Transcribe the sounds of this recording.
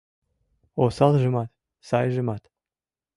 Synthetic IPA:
osɑlʒə̆mɑt̪ | sɑjʒə̆mɑt̪

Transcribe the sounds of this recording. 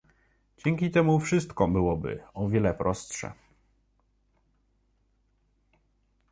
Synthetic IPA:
d͡ʑɛŋʲkʲit̪ɛmufʂɘst̪kɔbɘwɔbɘ̰ɔvʲjɛlɛpɾɔst̪ʂɛ̰

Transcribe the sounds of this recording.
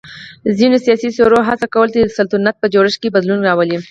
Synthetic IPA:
zinosijɑsisoɾoɦasakawəlt̪ed̪əsalt̪unat̪̚pəd͡ʒoɾɪʃkebad̪lunɾɑwəli

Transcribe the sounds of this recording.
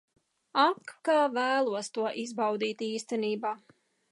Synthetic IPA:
akːaːvæːlˠuɔst̪uɔʔizbawd̪iːt̪iːst̪ɛniːbaː

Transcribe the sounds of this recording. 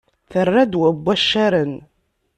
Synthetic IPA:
θərːad̪wæbʷːæʃːæɾən

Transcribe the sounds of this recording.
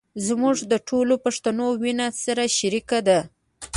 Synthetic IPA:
zmuʐd̪əʈʰolopaʂt̪anowinasaɾaʃaɾikad̪a

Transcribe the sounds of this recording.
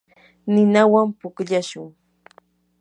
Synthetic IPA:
nɪnawampʊkʎaʃʊŋ

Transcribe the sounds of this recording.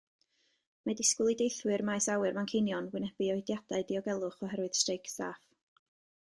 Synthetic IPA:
madɪskʊlˠidejθwɨrmajsawɨrmankʰejnjɔnwɪnɛb̥iɔjdjad̥aɨdiɔɡɛlˠʊχɔɦɛɾwɨð̥strejkʰsa̰ːf

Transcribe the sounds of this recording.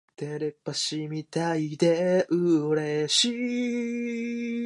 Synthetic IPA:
t̪eɾepːaɕimit̪aid̪eʔɯɾeɕi

